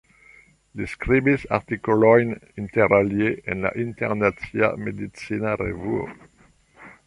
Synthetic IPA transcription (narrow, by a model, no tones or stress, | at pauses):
diskɾibisa̰ʁt̪ikolɔjnint̪eɾaljeenla̰ʔint̪ḛʁnatsia̰med̪itt͡sinaɾḛvuo̰